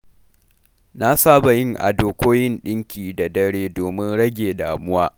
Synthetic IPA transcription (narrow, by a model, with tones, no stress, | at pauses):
na˦saː˦ba˨jɪ˦ŋʔa̰˨doː˨kʷoː˦jɪ˦nɗɪ˦ŋkʲʰiː˨da˨dɐ˦ɽeː˦doː˨mɪ˦nɽɐ˦ɡʲeː˨daː˨mʊ˦waː˦